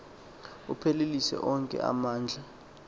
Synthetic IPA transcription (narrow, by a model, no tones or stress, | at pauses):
upʰelelisɛ̰ʔɔŋkʼɛ̰a̰maːnd͡ɮʱa